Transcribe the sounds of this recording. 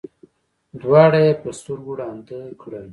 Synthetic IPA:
d̪wɑːɽajepəst̪uɾɡuɽɑːnt̪əkɽə

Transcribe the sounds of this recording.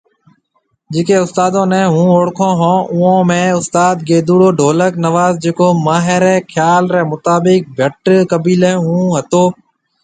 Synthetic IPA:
d͡ʒɪːkeːʊst̪aːd̪õːnɛ̃ːɦũːoːɽkʰõːɦõːʔʊːõːmẽːʊst̪aːd̪̚ɡeːd̪uːɽoːɖʱoːləknəʋaːzd͡ʒeːkoːmaːɦeɾɛːkʰjaːlɾɛːmʊt̪aːbɪk̚bʱəʈkəbiːlẽːɦũːɦət̪oː

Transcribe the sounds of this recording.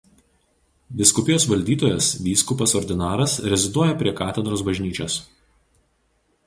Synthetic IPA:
d̪ʲɪskʊpʲɪjoːsʋɐlʲd̪ʲiːt̪oːjɛsʋʲiːskʊpɐsɔɾʲd̪ʲɪnɑːɾɐsɾʲɛzʲɪd̪uɔjɛpʲɾʲiɛkɑːt̪ʲɛd̪ɾoːsbɐʒʲnʲiːt͡ʃʲoːs

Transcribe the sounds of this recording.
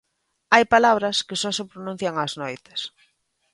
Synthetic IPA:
ajpalaβ̞ɾɐskɪsɔsepɾonũn̟θjaŋaznojt̪ɪ̥s

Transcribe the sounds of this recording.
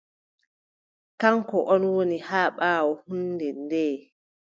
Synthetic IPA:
kaŋkɔʔɔnwonihaːɓaːwɔhunːdɛndɛː

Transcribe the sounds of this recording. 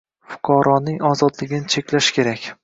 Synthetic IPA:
fʊ̥qʰɒɾɒnɪŋɒzɒd̪lɪɡʲɪnɪt͡ʃʰekʲlaʃkʲʰe̞ɾakʲ

